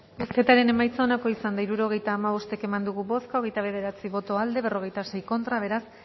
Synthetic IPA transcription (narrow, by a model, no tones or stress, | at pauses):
esket̪aɾe̞ne̞majt͡saonako̞isand̪aiɾuɾo̞ɣ̞e̞jt̪aːmaβo̞st̪e̞ke̞mand̪uɣuβo̞skaoɣe̞jt̪aβ̞e̞ð̞e̞ɾat͡siβo̞t̪o̞ald̪e̞β̞e̞ro̞ɣ̞e̞jt̪ase̞jko̞nt̪ɾaβ̞e̞ɾas